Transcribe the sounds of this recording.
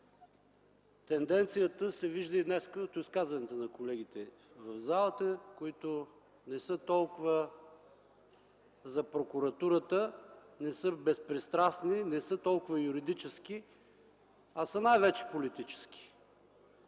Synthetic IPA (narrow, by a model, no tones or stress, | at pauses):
t̪ɛnd̪ɛnt̪sijət̪əsɛviʒd̪əid̪nɛskəot̪iskazvɐnɛt̪ənɐkolɛɡ̟it̪ɛ | vəvzalˠət̪əkoit̪ʊ | nɛsɤt̪ɔlˠkʊvə | zɐpɾokʊɾɐt̪uɾət̪ə | nɛsɤbɛspɾɛst̪ɾasninɛsɤt̪ɔlˠkʊvəjuɾid̪it͡ʃɛsk̟i | ɐsənajvɛt͡ʃɛ̥polit̪it͡ʃɛ̥sk̟i̥